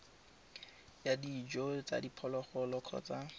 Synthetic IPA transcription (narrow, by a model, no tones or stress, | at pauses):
jadid͡ʒɔt͡sa̰dipʰɔlɔχɔlɔkʰɔ̰t͡sa